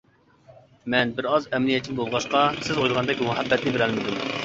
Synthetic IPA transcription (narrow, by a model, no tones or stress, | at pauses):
mɛnbɪɾɑzɛmnijɛt̪̚t͡ʃʰːinbolˠʁɑʃqɑsɪzojlˠʁɑnd̪ɛkʲmʊɦɛbːɛt̪nɪbeɾɛlmɪd̪um